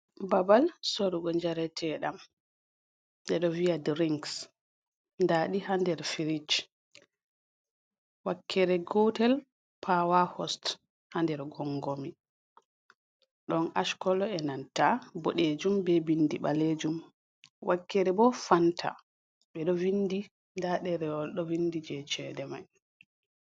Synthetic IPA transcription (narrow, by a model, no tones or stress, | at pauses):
babalsoɾuɡɔɲd͡ʒaɾɛtʰɛɗam | ɗɛɗɔviadɾiŋks | ndaːɗihandɛɾfiɾit͡ʃ | wakʰːɛɾɛɡɔtɛl | pʰawahɔst | handɛɾɡɔŋɡomi | ɗɔnʔaʃkɔlɔɛnantabo̰ɗed͡ʒumbɛbindiɓaled͡ʒum | wʔakːɛɾɛbɔfantʰa̰ | ɓɛɗɔvindi | ndaɗɛɾɛwɔlɗɔvindid͡ʒɛt͡ʃɛdɛma̰j